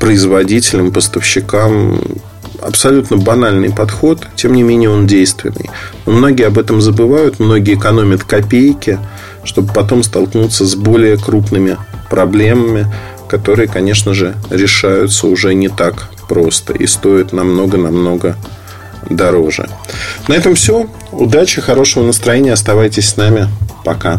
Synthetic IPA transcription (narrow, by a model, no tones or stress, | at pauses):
pɾəɪzvɐdʲitʲɪlʲɪmpəst̪əfɕːɪkam | ɐ̰psɐlʲut̪nəbɐnalʲnɨ̰jpɐt̪xo̞t̪tʲːe̞mnʲɪmʲenʲɪjəo̞ndʲejst̪vʲɪ̰nːɨ̰jnomno̞ɡʲɪjəɐbɛt̪əmzəbɨvajʊt̪mno̞ɡʲɪːɪkɐno̞mʲət̪kɐpʲejkʲɪ | ʂt̪o̞bəpɐt̪̬o̞mst̪ɐlˠknut̪səzbo̞lʲɪjəkɾupnɨmʲɪpɾɐblʲe̞məmʲɪ | kɐt̪o̞ɾɨjəkɐnʲe̞ʂnəʐɨɾʲɪʂajʊt̪səʊʐɛnʲɪt̪ak | pɾo̞st̪ə̰ʔḭst̪o̞ɪt̪nɐmno̞ɡənɐmno̞ɡə | d̪ɐɾo̞ʐɨ̰nɐɛt̪əmfsʲo | ʊd̪at͡ɕɪxɐɾo̞ʂəvənəst̪ɾɐjenʲɪjəɐst̪ɐvajtʲɪsʲsnamʲɪpɐka